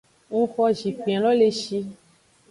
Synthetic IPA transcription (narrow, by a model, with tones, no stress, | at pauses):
ŋũ˦xɔ˧ʒi˨fĩ˨ã˨lɔ˦le˧ʃi˧